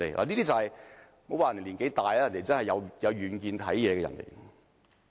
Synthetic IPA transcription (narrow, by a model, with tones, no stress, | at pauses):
e˨la̰ː˨˩niː˥t̪iː˥t͡sɐ˨˧hɐ˨j | mo˨˥waː˨jnd̪e˨˩liː˨˩ŋke˨˥jt̪aː˨jːjɐ˨˩nd̪e˨˩t͡sɐ˥nhɐ˨jːɐ˨˧wjɐ˨˧wɥyː˨˧nkiː˧nt̪ʰɐ˨˥jjɛː˨˧kɛ˧ɐ̰˨˩nlḛ˨˩˨